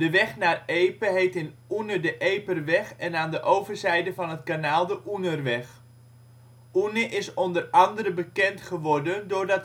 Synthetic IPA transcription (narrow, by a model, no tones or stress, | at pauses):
d̥əʋɛχnaːrejpəɦejtɪnunədəʔejpərʋɛχɛnaːndəʔowvərzɛjdəvɑnɦətkanaːlˠdəʔunərʋɛχ | unəʔɪsɔndərɑndəɾəbəkɛntχəʋɔrdəndʊrdɑt